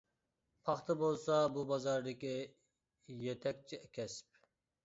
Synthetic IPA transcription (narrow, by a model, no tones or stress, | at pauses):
pʰɑχt̪ʰɨbolˠsɑbubɑzɑɾd̪ɪkʲi | jet̪ʰɛk̚ʲt͡ʃʰiɛkʲʰɛsp̚